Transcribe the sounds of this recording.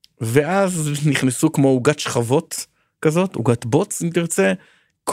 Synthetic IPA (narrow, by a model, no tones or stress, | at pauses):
veʔazniχnesukmo̞uɡatʃχavo̞t̪ | kazo̞tṵɡat̪bot͡simtiʁt͡se | kʰ